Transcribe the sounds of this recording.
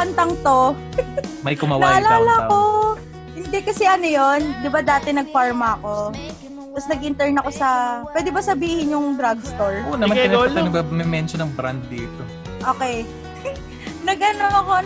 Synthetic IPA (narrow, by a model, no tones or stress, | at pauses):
pɐnt̪ɐŋt̪o | mɐjkʊmaw̪aɐɐlaːlɐɐko̞ | hɪnd̪ɛkɐsɛʔɐnojond̪ɪbad̪aːt̪ɛnɐɡ̚faɹmɐɐko̞ | t̪ɐsnɐɡ̚ʔɪnt̪ɛɹnɐko̞sɐpwɛːd̪ɛbɐsɐbiːhɪnjʊŋd̪ɾaɡst̪oɹʔonɐɐnɪnɐnɐbabmɛmɛnʃonːɐŋbɾand̪̚ːiːt̪o | ʔoːkɛj | nɐɡʔɐnoʔɐko̞